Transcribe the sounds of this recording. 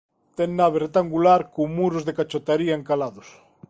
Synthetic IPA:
t̪ɛŋnaβeret̪aŋɡulaɾkomuɾozðekat͡ʃot̪aɾiaeŋkalaðʊs

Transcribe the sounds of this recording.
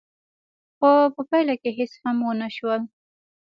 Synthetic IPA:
xopəpajlakeɦɪshamwənaʃwəl

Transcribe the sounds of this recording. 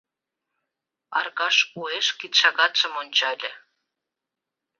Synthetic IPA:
ɑ̰rɣɑʃueʃkit̪ʃɑɣɑt̪ʃə̆monʲt͡ɕɑlʲɘ̆

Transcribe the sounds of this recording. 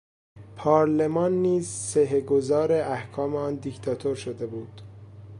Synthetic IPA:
pʰɒːɾlemɒːnːiːzseɦeɡo̞zɒːɾe̞ʔæhkʰɒːmeɒːnd̪ict̪ʰɒːt̪ʰoɾʃod̪e̞buːd̪̥

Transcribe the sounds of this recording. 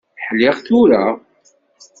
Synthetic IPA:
ħlɪʁθʊɾa

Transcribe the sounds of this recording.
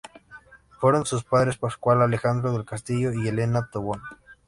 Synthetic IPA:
fweɾonsus̬paðɾespaskwalalexand̪ɾoðelkast̪iʝoielenat̪oβon

